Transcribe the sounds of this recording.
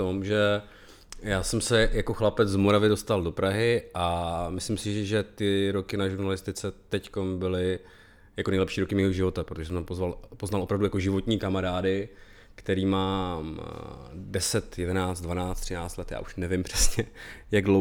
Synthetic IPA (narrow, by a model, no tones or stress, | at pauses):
t̪omʒɛ | jaːsɛmsɛjako̞xlapɛd͡zzmo̞ɾavɪdo̞st̪aldo̞pɾaɦɪʔamɪslɪmsɪʒɛt̪ɪɾo̞kɪnaʒuɾnalɪst̪ɪt͡sɛt̪ɛcko̞mbɪlɪ | jakonɛjlɛpʃiːɾokɪmiːɦoʒɪvo̞t̪apɾot̪oʒɛsɛmt̪ampozvalpoznalʔo̞pɾavdujako̞ʒɪvo̞t̪ɲiːkamaɾaːdɪ | kt̪ɛɾiːmaːm | dɛsɛt̪jɛdɛnaːt͡st̪dvanaːt͡st̪rɪnaːt͡st̪lɛt̪ja̰ːʔuʃnɛvɪmpr̥ɛsɲɛjaɡdlo